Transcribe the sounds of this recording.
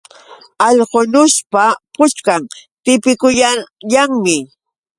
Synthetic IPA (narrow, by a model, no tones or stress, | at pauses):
ɑʎɢonʊʃpapʊt͡ʃkaŋt̪ɪpɪkʊjaʎaŋmɪ